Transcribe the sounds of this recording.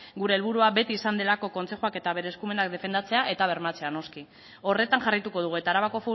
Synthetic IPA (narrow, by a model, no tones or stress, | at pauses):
ɡuɾe̞ːlβuɾuaβe̞t̪iːsand̪e̞lako̞ko̞nt͡se̞xuake̞t̪aβe̞ɾeskume̞nak̚d̪e̞fe̞nd̪at͡se̞aʔe̞t̪aβ̞e̞ɾmat͡se̞ano̞ski | o̞re̞t̪aŋʝarit̪uko̞ðuɣue̞t̪aːɾaβako̞fu